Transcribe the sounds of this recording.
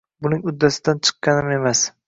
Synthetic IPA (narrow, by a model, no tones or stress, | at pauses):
bʊnɪŋʊd̪ːasɪd̪ant͡ʃʰɨ̥qːɑnɪme̞mas